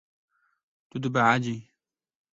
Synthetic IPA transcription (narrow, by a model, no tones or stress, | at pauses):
t̪ʊd̪baʕad͡ʒi